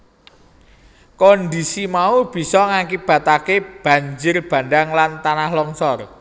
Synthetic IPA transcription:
kɔnd̪isimaub̥i̤sɔŋaŋkib̥ä̤t̪akeb̥ä̤ɲd͡ʒʊrb̥ä̤ndaŋlant̪anahlɔŋsɔr

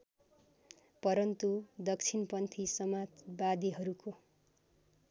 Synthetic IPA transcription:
pʌɾʌnt̪ud̪ʌk̚t͡sʰinpʌnt̪ʰisʌmad͡zbad̪iɦʌɾuko

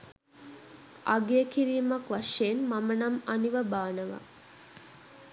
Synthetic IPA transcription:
ʔaɡeəkiɾiːmakʋaʂeːnmamənamaniʋəbaːnəʋa̰

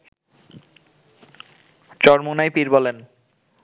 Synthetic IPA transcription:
t͡ɕɔɾmonajpiɾbɔlen

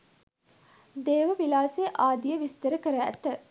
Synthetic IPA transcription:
d̪eːʋəʋilaːseːʔaːd̪ijəʋist̪əɾəkəɾæt̪ːə

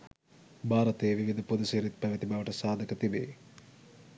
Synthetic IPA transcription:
bʱaːɾɐt̪ejʋiʋid̪ʱəpud̪əseːɾit̪pæʋət̪ibaʋəʈəsaːd̪ʱəkət̪ibḛ

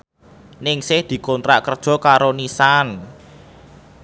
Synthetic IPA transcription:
nɪŋsɪhd̪̥i̤kɔnt̪ɾaʔkərd̥ʒ̥ɔ̤kaɾonisan

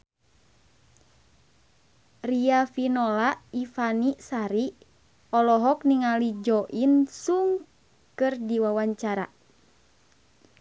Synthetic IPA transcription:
riafinɔlaʔifanisaɾi | ɔlɔɦɔkniŋalid͡ʒɔʔinsuŋ | kɨrdiwawaɲt͡ʃaɾa̰

